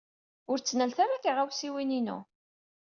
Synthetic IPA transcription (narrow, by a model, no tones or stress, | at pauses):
ʊɾt͡sːnəælθaɾakiʁawsiwininṵ